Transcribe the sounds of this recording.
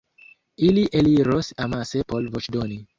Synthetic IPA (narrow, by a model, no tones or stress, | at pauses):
iliʔeliɾosamasepolvot͡ʃdoni